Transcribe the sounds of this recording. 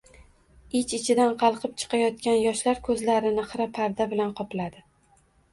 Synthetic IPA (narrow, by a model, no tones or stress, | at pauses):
ɪt͡ʃɪt͡ʃʰɪd̪anqʰɑlˠqʰɨp̚t͡ʃʰɨ̥qʰɑjɒt̪̚kʲanjɒʃlaɾkʰɵzlaɾɪnɨχɾapʰaɾd̪abɪlanqʰɒplad̪ɪ